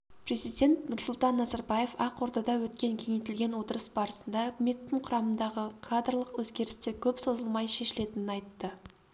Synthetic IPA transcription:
pre̞zijd̪ʲe̞nt̪nʊɾsʊlˠt̪ɑnːɑzɑɾbɑje̞fɑqːo̞ɾt̪ɑd̪ɑwɵt̪kʲe̞ŋkʲʰe̞ŋet̪ɪlɡʲe̞nwo̞t̪əɾəsbɑɾəsənd̪ɑʊkʲɪme̞t̪ːɪɴqʰʊɾɑmənd̪ɑʁəqʰad̪ərlˠəqwɵzɡʲe̞ɾɪst̪ekʲʰɵpso̞zəlˠmɑjʃe̞ʃɪle̞t̪ɪnɪnɑjt̪ːə

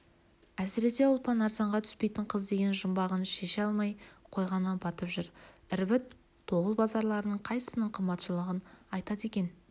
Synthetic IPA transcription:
æsɪɾe̞se̞ʊlˠpɑnɑɾzɑɴʁɑt̪ʰʏ̥spe̞jt̪ɪɴqʰəzd̪e̞ɡʲe̞nʒəmbɑʁənʃe̞ʃɑlˠmɑjqʰo̞jʁɑnːɑnbɑt̪əpʒʏɾɪɾbɪt̪ʰː | o̞bəlˠbɑzɑɾlˠɑɾənəɴqʰɑjsə̥sənəɴqʰəmbɑt̪ʃəlˠəʁənɑjt̪ɑt̪e̞kʲe̞n

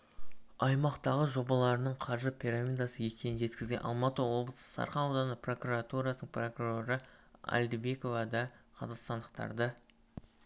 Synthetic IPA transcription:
ɑjmɑqt̪ɑʁəʒo̞bɑlˠɑɾənəɴqʰɑɾʒəpʲʰiɾamʲijd̪ɑsəje̞kʲʰe̞nɪʒe̞t̪kʲɪzɡʲenʔɑ̰lˠmɑt̪əwo̞blˠəsə̥sɑ̰ɾχɑnod̪ɑnəpro̞kurat̪uɾaɑsnəɴpro̞kuro̞ɾəɑ̰lʲd̪ɪbe̞ko̞vɑd̪ɑqʰɑzɑqst̪ɑnd̪əq̚t̪ɑ̰ɾd̪ɑ

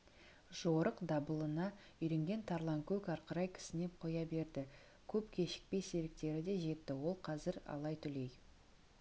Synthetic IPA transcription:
ʒ̥oɾəqd̪ɑbəlˠənɑ | ʏjɾe̞ŋɡʲe̞nt̪ʰɑɾlˠɑŋkʲʰɵkɑɾqəɾɑjkʲʰɪ̥sɪne̞qʰo̞jɑbe̞ɾd̪ɪ | kʲʰɵpkʲʰe̞ʃɪ̥k̚pe̞jse̞ɾɪk̚t̪e̞ɾɪd̪e̞ʒe̞t̪ːɪwo̞lˠqʰɑzɪɾɑ̰lˠɑjt̪ʰʏle̞j

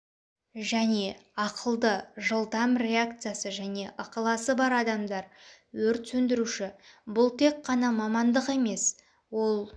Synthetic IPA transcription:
ʒæne̞ɑqəlˠd̪əʒəlˠd̪ɑmɾʲe̞ak̚t̪sɨjasəʒæne̞ʔəqəlˠɑsəbɑɾɑd̪ɑmd̪ɑɾ | wɵɾt̪sɵnd̪ɪɾuʃɪbʊlˠt̪ʰe̞k̚qʰːɑnɑmɑmɑnd̪əqe̞me̞s | wo̞lˠ

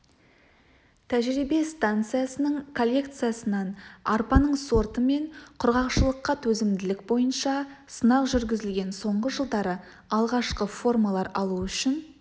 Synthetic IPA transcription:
t̪ʰæʒɾibe̞st̪ant̪sɨjasənəɴkʰolʲːe̞kt̪sɨjasənɑnɑrpɑnəɴso̞rt̪əme̞ɴqʰʊɾʁɑqʃəlˠəqːɑt̪ʰɵzɪmd̪ɪlɪkbo̞jənʃɑsənɑqʒʏɾɡʲɪzɪlɡʲe̞nso̞ɴʁəʒəlˠd̪ɑɾə | ɑlˠʁɑʃqəfo̞rmalˠɑɾɑlˠuʏʃɪn

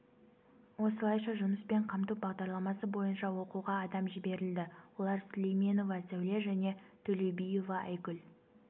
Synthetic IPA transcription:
wo̞səlˠɑjʃɑʒʊməspe̞ɴqʰɑmt̪ubɑʁd̪ɑɾlˠɑmɑsəbo̞jənʃɑwo̞quʁɑːd̪ɑmʒɪbe̞ɾɪld̪ɪwo̞lˠɑɾslejme̞no̞vɑsæwle̞ʒæne̞t̪ʰɵle̞jbijo̞vɑʔæjkʲʏl

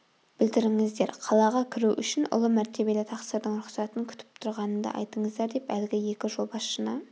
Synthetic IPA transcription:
b̥ɪld̪ɪɾɪŋɪzd̪e̞ɾqʰɑlˠɑʁɑkʲʰɪɾuʔʏʃɪnʔʊ̰lˠəmæɾt̪e̞be̞lɪt̪ʰɑqsəɾd̪əɴɾʊqsɑt̪əŋkʲʰʏ̥t̪ʰɪ̥p̚t̪ʰʊɾʁɑnənd̪ɑ̰ʔɑ̰jt̪əɴəzd̪ɑɾd̪epælɪɡʲɪje̞kʲɪʒo̞lˠbɑsʃənə

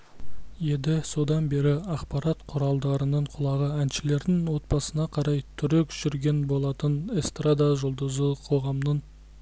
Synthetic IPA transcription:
je̞d̪ɪso̞d̪ɑnbe̞ɾɪɑqpɑɾɑt̪qʰʊɾɑlˠd̪ɑɾənəɴqʰʊlˠɑʁəænʃɪle̞ɾd̪ɪŋwo̞t̪̚bɑsənɑqʰɑɾɑjt̪ʰʏɾe̞kʒ̥ʏɾɡʲe̞nbo̞lˠɑt̪ənest̪rad̪ɑʒʊlˠd̪əzəqʰo̞ʁɑmnəɴ

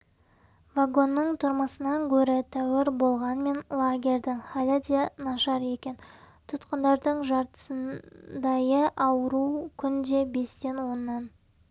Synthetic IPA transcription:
vaɡo̞nːəɴt̪ʰʊɾməsənɑŋkʲʰɵɾɪt̪ʰæwɪɾbo̞lˠʁɑnme̞nlˠaɡʲe̞ɾʲd̪ɪŋχalʲad̪enɑʃɑɾe̞kʲe̞n | t̪ʰʊt̪qənd̪ɑɾd̪əɴʒɑɾt̪ə̥sənd̪ɑjəʔɑwəɾukʲʰʏnd̪e̞be̞st̪e̞nwo̞nːɑn

